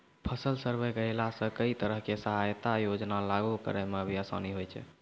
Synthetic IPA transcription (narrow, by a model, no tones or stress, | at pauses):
pʰəsəlsəɾbəjkəelasə̃kəit̪əɾəɦkesəɦajt̪ajod͡ʒnalaɡukə̰ɾɛmebʱiasa̰niɦojt͡ʃʰɛ̰